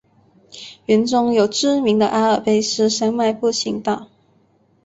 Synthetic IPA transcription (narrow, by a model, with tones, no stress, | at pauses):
ɥy˧˥nʈ͡ʂʊ˥ŋjo˨˩ʊʈ͡ʂɻ̩˥mi˧˥ŋd̪ə˧ʔa˥ə˨˩pe˥ɪʂɻ̩˥˩ʂa˥nma˥˧ɪpu˥˩ɕi˧˥ŋt̪ɑ˥˩ʊ